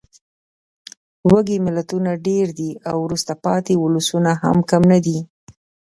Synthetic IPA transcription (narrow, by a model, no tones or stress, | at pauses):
waɡemɪlat̪unaɖeɾd̪iawɾust̪apɑt̪eʊlʊsunaha̰mkamnad̪i